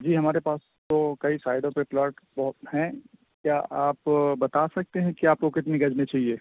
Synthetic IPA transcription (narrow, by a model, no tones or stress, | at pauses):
d͡ʒiːɦɐmaːɾepaːs | t̪okɐisaːɪɖ̪õpeplaːɾʈbɔɦʊt̪hɛ̃ | kjaʔaːpbɐt̪asɐk̚t̪eɦɛ̃kiaːp̚kokɪt̪niɡɐd͡ʒnẽt͡ʃaːɦieː